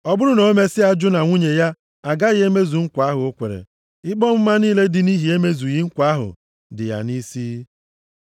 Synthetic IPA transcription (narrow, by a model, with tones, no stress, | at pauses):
ɔ˦bʊ˦ɾʊ˦no˨˦me˦sɪ˦a˦d͡ʒʊ˦na˨ŋʷu˦ɲe˨ja˦ | a˨ɡa˦ɣe˦me˦zu˨ŋ̩˦kʷa˦ɦʊ˨o˦kʷḛ˨ɾḛ˨ | ɪ˦k͡pɔ˦m̩˦ma˦niː˦le˦dɪ˦ni˦ɦi˨e˦me˦zu˨ɣi˦ŋ̩˦kʷa˦ɦʊ̰˨ | dɪ̰˨ja̰˨ni˦siː˦